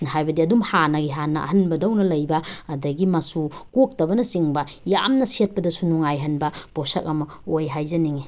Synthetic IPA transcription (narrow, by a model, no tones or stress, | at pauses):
ɦajbɐdiɐdumhanɐɡiɦanɐɐ̰hɐnbɐdɐwnɐlɐjbɐːdɐɡimɐsukok̚tɐbɐnɐsiŋbɐja̰mnɐset̚pɐdɐsunuŋajɦɐnbɐposɐk̚ɐmɐ | ojɦajzɐniŋi